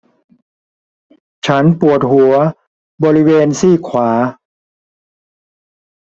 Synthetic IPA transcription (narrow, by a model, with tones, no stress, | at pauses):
t͡ɕʰa˦˥npu˨˩ət̪̚ɦu˩˦ɐ | bɔː˧ɾi˦˥weː˧nsiː˥˩kʰwaː˩˦